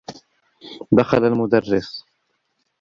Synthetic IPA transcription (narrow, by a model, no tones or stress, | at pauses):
d̪axalalmʊd̪arːɪs